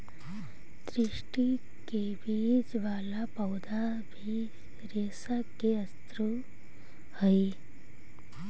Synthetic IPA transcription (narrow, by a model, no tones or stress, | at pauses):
d̪ɾiʂʈi | ke | bid͡ʒʋaːlapɐwd̪a | bʱi | ɾeːsakːeəst̪ɾu | həj